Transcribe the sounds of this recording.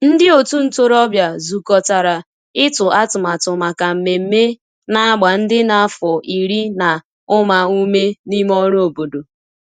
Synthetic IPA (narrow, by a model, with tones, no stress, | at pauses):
n̩˦dɪ˦o˨tu˦n̩˦˨to˦˨ɾɔ˦bja˨zu˨kɔ˨ta˨ɾa˨ | ɪ˦tʊ˨ʔa˦tʊ˨ma˨tʊ˨ma˨ka˨m̩˨me˨m̩˦me˦ | na˦a˦ɡ͡ba˨n̩˦dɪ˦na˨a˦fʊ˨i˨ɾi˦na˨ | ʊ˦ma˨u˦me˦ni˦m˦ɔ˦ɾo˨bo˨do˨